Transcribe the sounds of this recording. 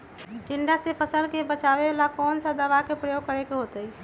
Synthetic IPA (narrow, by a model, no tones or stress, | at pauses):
ʈiɳɖasepʰəsəlkebət͡ʃaβebelakɔːnsəd̪əʋakepɾəjoɡ̚kəɾekeɦot̪əi